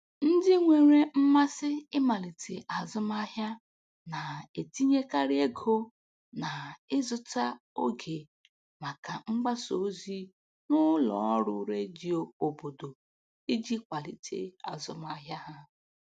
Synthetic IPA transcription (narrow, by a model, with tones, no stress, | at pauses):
n̩˦dɪ˦ŋʷe˨ɾe˦m̩˦ma˦sɪ˦ɪ˦ma˨li˨tʰḛ˨ʔa˨zʊ˦ma˦ɦja˦ | na˨e˨ti˦ɲe˦ka˦ɾɪ˦e˦ɡʰo˦ | na˨ɪ˦zʊ˦ta˦ | o˦ɡe˨ | ma˨ka˨ŋ͡m̩˦ɡ͡ba˦so˨˦zi˦ | nʊ˦lɔ̰˨˦ɾʊ˦ɾe˦d͡ʒi˨o˨o˨bo˨do˨ | i˦d͡ʒi˦kʷa˨li˨tʰḛ˦a̰˨zʊ˦ma˦ɦja˦ɦa˦